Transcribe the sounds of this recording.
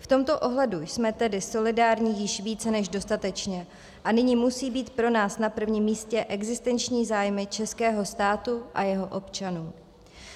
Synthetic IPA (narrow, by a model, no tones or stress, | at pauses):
ft̪o̞mt̪o̞ʔo̞ɦlɛdujsmɛt̪ɛdɪso̞lɪdaːɾɲiːjɪʃviːt͡sɛnɛʒdo̞st̪at̪ɛt͡ʃɲɛ | ʔanɪɲiːmusiːbiːt̪pɾo̞naːsnapr̩vɲiːmːiːscɛʔɛɡzɪst̪ɛnt͡ʃɲiːzaːjmɪt͡ʃɛskɛːɦo̞st̪aːt̪uʔa̰jɛɦo̞ʔo̞pt͡ʃanuː